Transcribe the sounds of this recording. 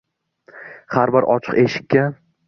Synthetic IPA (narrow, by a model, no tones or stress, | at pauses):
haɾbɪɾʔɒ̰t͡ʃʰɨ̥qeʃɪ̥kʲːa